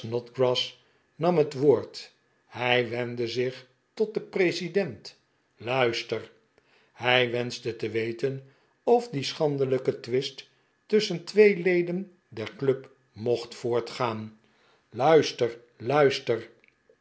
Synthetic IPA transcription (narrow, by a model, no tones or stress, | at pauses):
nɔtɡrɑs | nɑmɦətʋʊːɹt | hɛjʋɛndəzɪχ | tɔt̚dəprejsidɛnt | lœɥstər | hɛjʋɛnzdətəʋejtən | ɔfdisχɑndələkətʋɪst | tɵsəntʋejlejdən | dɛɹklɵp | mɔχtfʊːɹtχaːn | lœɥstər | lœɥstər